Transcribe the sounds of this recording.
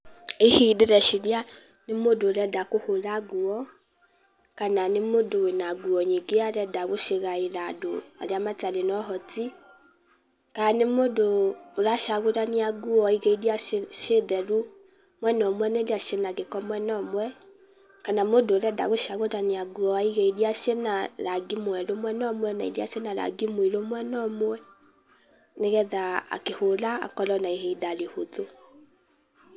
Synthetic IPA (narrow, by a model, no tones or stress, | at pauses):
ehidiɾɛʃidia | nɪmodoɾɛdakʊhoɾaɡuɔ | kananɪmodowenaɡuɔɲiɡeaɾɛdaɡʊʃeɣajiɾado̰a̰ɾiamat͡ʃadɪnɔɦɔti | kanɪmodoɾaʃaɡʊɾaniaɡuɔiɡeidiaʃedɛɾu | mwɛnɔmoɛnedeaʃenaɡekɔmoɛnɔmwɛ | kanamodolɛda̰ɣoʃaɣodaniaɡuɔaiɣeidiaʃenaɾaɡimoɛlomɛnɔmoɛnaḭdiaʃenaɾa̰ɡimoilomoɛnɔmoɛ | neɣɛðaa̰keholaa̰kɔlɔnaiɦeidalehoðo